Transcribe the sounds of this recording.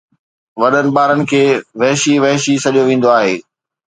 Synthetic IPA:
ʋɐɗənɪ̆ɓaːɾənɪ̆kʰeːʋɐɦʃiʋɐɦʃisɐʄijoʋẽːn̆d̪oaːɦeː

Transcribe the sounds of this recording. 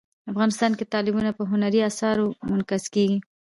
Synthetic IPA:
afɣɑnɪst̪ɑnket̪ɑlɪbunapəɦʊnaɾiasɑɾomʊnkazkeɡi

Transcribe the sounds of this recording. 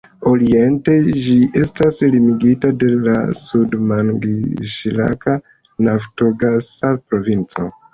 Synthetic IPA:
o̞ɾie̞nte̞d͡ʒie̞staslimiɡitade̞la̰sudmaŋɡiʃla̰ka | nafto̞ɡasapɾo̞vint͡so̞̰

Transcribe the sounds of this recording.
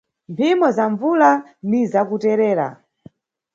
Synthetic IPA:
mpʰimɔzaɱvulanizakutɛɾɛːɾa̰

